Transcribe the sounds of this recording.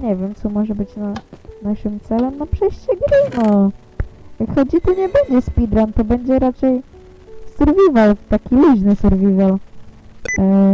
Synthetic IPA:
ɲɛvʲjɛmt̪sɔmɔʐɛbɘt͡ɕnanaʂɘmt̪sɛlɛmnapʂɛjɕt͡ɕɛɡɾɘnɔ | jakxɔd͡ʑit̪ɔɲɛbɛɲd͡ʑɛspʲid̪ɾant̪ɔbɛɲd͡ʑɛɾat͡ʂɛj | suɾvʲivalt̪akʲilʲiʐnɘsuɾvʲival

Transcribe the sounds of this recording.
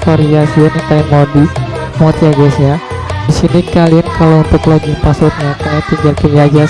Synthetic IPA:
kaɾiɡasiant̪ajmɔdi | mat̪iad͡ʒasɲa | disinikaliankalaunt̪ʊkloɡipasʊt̪̚ɲakamat̪iŋɡarkiliad͡ʒa

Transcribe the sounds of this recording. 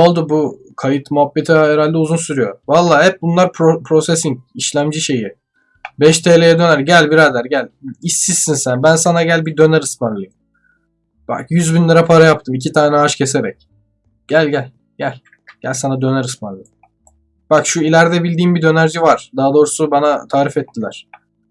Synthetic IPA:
olˠd̪ubu | kʰajɯt̪muɦapːet̪ʰaeɾalʲd̪ɛuzunsyɾyjo̞̰valˠːaːhɛp̚bunlˠaɾpopʰɾo̞sesiɲc̚iʃlʲæmd͡ʒiʃe̞ji | bɛʃt̪ʰeːlʲejɛd̪ø̞næɾɟælʲbiɾald̪æɾɟælʲisːisːinsænbænsanaɟælʲbid̪ø̞næɾɯspanlˠɯjɯm | b̥a̰kjyzbinlʲɛɾapʰaɾajap̚t̪ʰɯmicʰit̪ʰaːnɛɦaʃcʰe̞se̞ɾɛ̰c̚ | ɟ̥ælʲɟælʲ | ɟ̥ælʲ | ɟ̥ælʲsanad̪ø̞næɾɯspanlˠɯjm | b̥akʃuilʲæɾd̪ɛbilʲd̪iːmbid̪ø̞næɾd͡ʒivaɾ̥d̪aɦad̪o̞ːɾusubanat̪ʰaːɾifɛt̪ʰːilʲæɾ̥

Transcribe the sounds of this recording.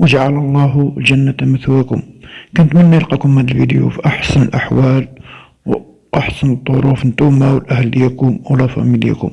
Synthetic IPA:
wəʒaʕalɑlˤːɑɦlʒænːat̪æməθwækʊ̰mkʊnət̪mənːæjəlqɑkʊmhæd̪əlvid̪jṵfiʔɑħsənəlʔa̰ħwæl | w | ʔaħsənəd̪ˤːoɾufnt̪umawəlʔæhælːəjːækʊmwlæfɑ̰miljæ̰kʊ̰m

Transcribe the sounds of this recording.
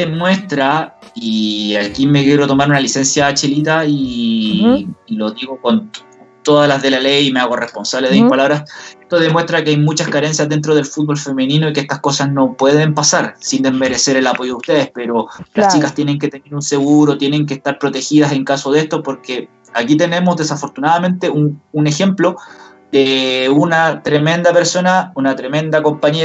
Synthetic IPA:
emwe̞st̪ɾaiakime̞keɾo̞t̪o̞maɾunalise̞nsjaːt͡ʃelit̪ai | lo̞ðiɣo̞ko̞n | t̪oðalazðe̞lale̞jime̞aɣo̞respo̞nsaβleðeipalaβɾase̞ht̪o̞ðe̞mwehst̪ɾakeajmut͡ʃaskaɾe̞nsjazðent̪ɾo̞ð̞e̞lfut̪̚βo̞lfemeninoikee̞st̪ahko̞sasno̞pwe̞ðe̞mpasaɾsind̪e̞zme̞ɾe̞seɾe̞lapo̞joðust̪e̞ðespe̞ɾo̞last͡ʃikast̪je̞ne̞ŋk̬et̪e̞neɾunse̞ɣuɾot̪je̞ne̞ŋk̬eːst̪aɾpɾo̞t̪e̞xiðase̞ŋkaso̞ðe̞st̪opo̞ɾke̞ | akit̪e̞ne̞mo̞zðe̞safo̞ɾt̪unaðame̞nt̪eʔunune̞xe̞mplo̞ | d̪eunat̪ɾeme̞nd̪ape̞ɾso̞naunat̪ɾeme̞nd̪ako̞mpaɲe

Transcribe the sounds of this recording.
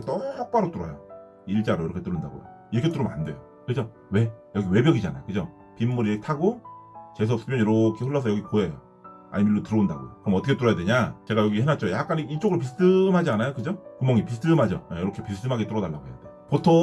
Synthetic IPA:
t͈ʌak̚p͈aɾot͈uɾʌ̰jo̰ | iɭt͡ɕ͈aɾoiɾʌkʰet͈ɯɾɯnda̰ɡo̰jo̰ | iɾʌkʰe̞t͈ɯɾɯmna̰nde̞jo | kɯd͡ʑo | we̞jʌɡiwe̞bjʌɡid͡ʑana̰jo̰kɯd͡ʑo | pimːuɾietʰaɡot͡ɕes̬oʌp̚s͈ɯmjʌnʌɾokʰeɸɯɭːʌs̬ʰʌjʌɡikoejo̰ | a̰ɲimilːotɯɾʌunda̰ɡo̰kɯɾʌmʌtʰʌkʰet͈uɾʌjadeɲat͡ɕe̞ɡajʌɡihenat̚t͡ɕ͈ojak͈aniit͡ɕ͈oɡɯɾop̬is̬ʰtʰɯmhad͡ʑianajokɯd͡ʑokɯmʌŋipis̬ʰtʰɯmhad͡ʑʌajʌɾʌkʰepis̬ʰtʰɯmɦaɡet͈uɾʌnaɭːaɡoɦe̞jade | potʰo

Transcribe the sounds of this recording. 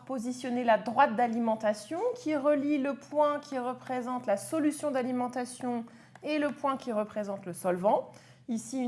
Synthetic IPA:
pozisjɔnelad̪ʁwat̪̚d̪alimɑ̃t̪asjɔ̃kʲʰiʁəliləpwɛ̃kʲʰiʁəpχezɑ̃t̪lasɔlysjɔ̃d̪alimɑ̃t̪asjɔ̃ | eləpwɛ̃kʲiʁəpχezɑ̃t̪ləsɔlvɑ̃ | isi

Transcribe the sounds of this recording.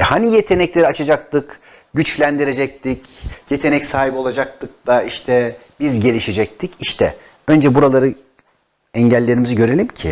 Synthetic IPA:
hanijet̪ʰe̞nɛclʲeɾiat͡ʃʰad͡ʒak̚t̪ɯk | ɟyt͡ʃclʲænd̪iɾe̞d͡ʒɛc̚t̪ʰicje̞t̪ʰe̞nɛcsaːɦibio̞lˠad͡ʒak̚t̪ʰɯk̚d̪aiʃt̪ʰɛbizɟe̞lʲiʃe̞d͡ʒɛc̚t̪ʰiciʃt̪ʰɛ̰ | ø̞nd͡ʒɛbuɾalˠaɾɯ | ɛɲɟælʲːe̞ɾimiziɟø̞ɾe̞lʲimcʰḭ

